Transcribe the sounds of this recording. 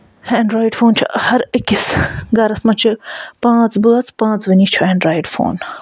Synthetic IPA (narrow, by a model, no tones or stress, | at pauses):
hɛ̃ːɳɖɾaːjiɖfoːnt͡ʃʰṵhɐɾɐkʲisɡɐɾɐsmɐt͡ʃʰipãːt͡sbɨɐt͡spãːt͡sʋɐnit͡ʃʰuɛ̃ːɳɖɾaːjɖfo̰ːn